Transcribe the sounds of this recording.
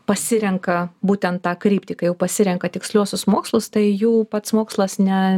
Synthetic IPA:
pɐsʲɪɾʲɛŋkɐbuːt̪ʲɛnt̪tɑːkɾʲiːpʲt̪ʲiːkɐjɛʊpɐsʲɪɾʲɛŋkɐt̪ʲɪksʲlʲuɔsʲʊsmoːkslˠʊst̪ɐɪjuːpɐt̪smoːkslˠɐsnʲɛ

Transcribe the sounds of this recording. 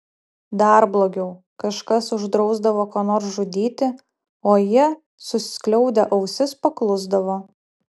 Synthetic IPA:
d̪ɐˑɾblˠoːɡʲɛʊ | kɐʃkɐsʊʒd̪ɾɒʊzd̪ɐʋoːkoːnoːɾsʒʊd̪ʲiːt̪ʲɪ | oːjɪ | sʊsʲɪ̥sklʲɛʊd̪ʲɛʔɐʊsʲɪspɐklˠʊzd̪ɐʋoː

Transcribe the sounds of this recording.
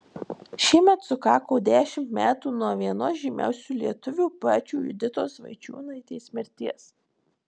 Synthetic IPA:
ʃʲiɛmʲɛt̪sʊkɑːkoʊd̪ʲæːʃʲɪmt̪mʲæːt̪uːnuɔʋʲiɛnosʒʲimʲæ̰ˑʊsʲuːlʲiɛt̪ʊʋʲuːpɑːt͡ʃʲuːjʊ̰d̪ʲɪt̪oːsʋɐ̰ɪt͡ʃʲṵːnɐɪt̪ʲɛɪsmʲɛɾʲt̪ʲiɛs

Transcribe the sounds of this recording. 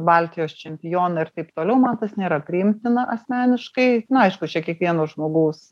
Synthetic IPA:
bɑlʲt̪ʲɪjoːst͡ʃʲɛmʲpʲɪjoːnɐɪrt̪ɐɪpt̪oːlʲɛʊmɐnt̪ɐsnʲeːɾɐpʲɾʲɪɪmʲt̪ʲɪnɐʔɐsʲmʲæːnʲɪʃkɐɪnʊɐɪʃkʊt͡ʃʲɛkʲiɛkʋʲiɛnoːsʒmoːɡuːs

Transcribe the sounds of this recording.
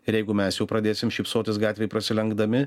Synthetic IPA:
ɪɾjɛɪɡʊmʲɛsjɛʊpɾɐd̪ʲeːsʲɪmʃʲiːpsoːt̪ʲɪsɡɑːt̪ʲʋʲeɪpɾɐsʲɪlʲɛŋɡd̪ɐmʲɪ

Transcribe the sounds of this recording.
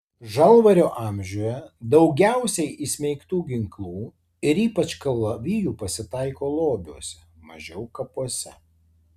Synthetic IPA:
ʒɐlˠʋɐɾʲoːʔɑːˑmʲʒʲoːjɛd̪ɐʊɡʲæˑʊsʲɛɪʔɪsʲmʲɛɪkt̪uːɡʲɪŋklˠuː | ɪɾiːpɐt͡ʃkɐlˠːɐʋʲijuːpɐsʲɪt̪ɑɪkoːlˠoːb̪ʲuɔsʲɛmɐʒʲɛʊkɐpuɔsʲɛ

